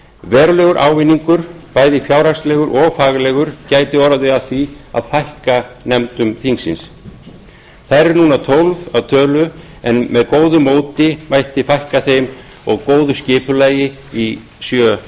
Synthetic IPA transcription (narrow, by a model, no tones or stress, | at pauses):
vɛːɾʏlɛɣʏɾʔa̰ːwvɪnːiŋkʏɾ̥paːjðɪfjaːwɾ̥ḁst̪lɛɣʏɾʔɔɣfaːɣlɛɣʏɾ̥caːjt̪ɪɔɾaðʏaθvia̰ðθajhkanɛmt̪ʏmθiŋsɪ̰ns | θajɾɛɾnuːnat̪ʰowlvaðt̪ʰœːlʏ | ɛnmɛðkoːwðʏmoːwt̪ɪmajht̪ɪfajhkaθejm | ɔɣkoːwðʏscɪːpʏlaːjɪ | i | sjœː